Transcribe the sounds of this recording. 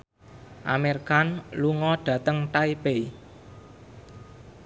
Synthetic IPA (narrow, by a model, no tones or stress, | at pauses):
ʔa̰merkanluŋɔɖ̥ä̤t̪əŋʈaipej